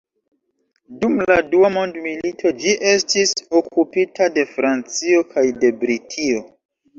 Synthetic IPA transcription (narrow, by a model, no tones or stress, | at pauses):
dumladuamondmilitʰo̞d͡ʒiʔestiso̞kupitʰade̞fɾant͡sio̞kʰajde̞bɾitʰio